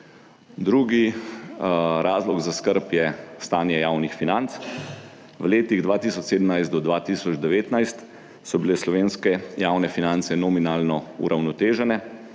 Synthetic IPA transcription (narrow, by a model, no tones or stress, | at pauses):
d̪ɾuːɡi | ɾʔaːzlɔɡzaskəɾpjɛst̪aːnjɛjaːwnixfinant̪s | ʋleːt̪iɣd̪ʋaːt̪iːsɔt͡ʃseːd̪əmnajst̪d̪ɔd̪ʋaːt̪iːsɔd͡ʒd̪ɛʋeːt̪najst̪ | sɔbilɛslɔʋeːnskɛjaːwnɛfinant̪sɛnɔminaːlnɔṵɾʔawnɔt̪eːʒɛnɛ